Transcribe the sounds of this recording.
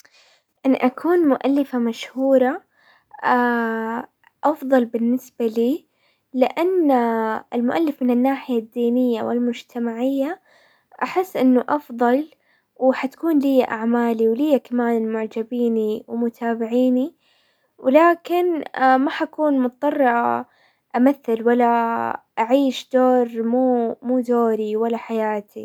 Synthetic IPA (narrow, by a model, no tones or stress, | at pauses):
ʔɪnːʔakʰuːnmʊʔalːɪfamaʃhuːɾˤɑ | ʔa | ʔɑfðˤɑlbɪnːɪsb̥aliː | lɪʔanː | ɪlmʊʔalːɪfmɪnɪnːaːħɪjad̪ːiːnɪjːawɪ̰lmʊd͡ʒt̪ʰamaʕɪjːa | ʔaħɪsːʔɪnːʊʔɑfðˤɑl | wħat̪ḁkuːnlɪjːaʔaʕmaːliwlɪjːakamaːnmʊʕd͡ʒabiːniwmʊt̪ʰaːbɪʕiːni | wɪlaːkɪnmaħakuːnmʊt̪̚t̪ːˤɑrˤːɑʔ | ʔamaθːɪlwalːaʔaʕiːʃd̪̥oːɾmuːmuːd̪oːɾiwalːaħajaːt̪ʰi